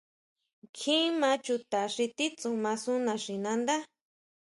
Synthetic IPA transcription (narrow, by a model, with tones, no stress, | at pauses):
kʰĩ˦mã˧˦t͡ʃu˧t̪a˨ʂi˧t̪i˦t͡su˧mã˧su˦nã˧ʂĩ˨nã˧nd̪a˦